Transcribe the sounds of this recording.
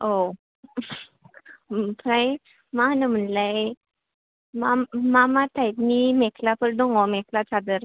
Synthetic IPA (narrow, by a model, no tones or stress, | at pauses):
o | pʰɾaj | manəm̤ənlae | mamamat̪ʰajt̪mimɛkʰlapəɾɖoŋɔmɛkʰlat͡sad̪əɾ